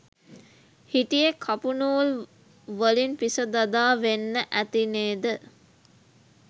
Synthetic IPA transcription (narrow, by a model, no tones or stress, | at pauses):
hiʈijekʰapunuːl | ʋəlinpisəd̪ad̪aːʋenːəʔæt̪ineːd̪ə